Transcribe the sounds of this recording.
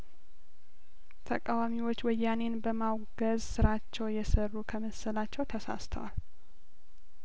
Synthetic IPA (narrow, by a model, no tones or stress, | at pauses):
t̪ʰəkʼawamiwo̞t͡ʃːwɔjːane̞nbəmawɡəzsɨɾat͡ʃːɛwjɛsərːukʰəməsəlat͡ʃːɛwt̪ʰəsa̰st̪ʰəwal